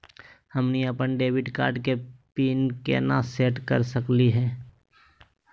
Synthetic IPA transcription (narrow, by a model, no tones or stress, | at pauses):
həmniəpənɖeːʋɪɖkaːɾɖkepiːnkḛnaseːʈkəɾsəkliɦɛː